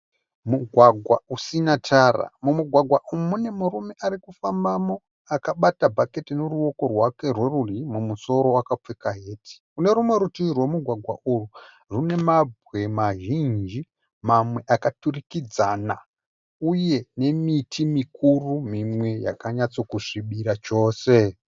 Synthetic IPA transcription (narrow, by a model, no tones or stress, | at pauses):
muɡʱwaɡʱwa̰usinatʰara̰mumuɡʱwaɡʱwaʔumune̞muɾume̞ʔaɾikufambamo̞ | akaɓatabʱake̞tinuruo̞ko̞rwake̞rwe̞rurimumuso̞ɾo̞wakap͡fekaɦe̞ːtʰi̥une̞ɾumwe̞ɾutirwe̞muɡʱwaɡʱwa̰ʔuru | rune̞mabʱwe̞maʒind͡ʒi | mamwe̞ʔakaturikid͡zana | uje̞ne̞mitʰimikurumimwe̞ja̰kaɲat͡so̞kuʂiɓiɾat͡ʃo̞ːse̞